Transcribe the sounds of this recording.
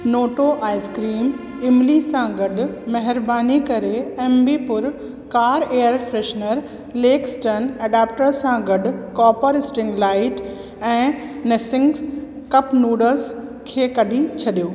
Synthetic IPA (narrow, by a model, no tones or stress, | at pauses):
noːʈoʔaːɪskɾiːm | ɪmlisãɡɐɖʱʊmɐɦɪɾbaːnikɐɾeɛːmbipʊɾ | kaːɾeːjəɾfɾeːʃnəɾ | leːksʈɐneːɖaːp̚ʈəɾsãɡɐɖʱʊ̆kɔːpəɾɪsʈɪ̃ŋɡlaːɪʈ | ɛ̃ːnesɪ̃ŋɡ | kɐpnuːɖəɾzkʰeːkɐɖʱĩt͡ɕʰɐɗijoː